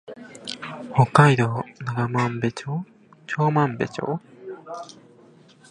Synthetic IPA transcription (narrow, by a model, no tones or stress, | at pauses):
hokːajd̪onaɡamãmbet͡ɕo | t͡ɕoːmãmbet͡ɕo̰